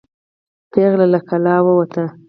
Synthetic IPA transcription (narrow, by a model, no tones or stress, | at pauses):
peɣlalakʰalɑwəwat̪a